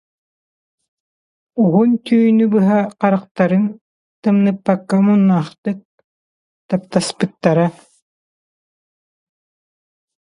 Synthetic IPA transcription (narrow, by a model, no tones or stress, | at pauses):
uɦunt̪ʰyjnybɯɦaqɑɾaq̚t̪aɾɯn | t̪ɯmnɯpːakːamunːaːχt̪ɯk̚ | t̪ap̚t̪aspɯt̪ːaɾa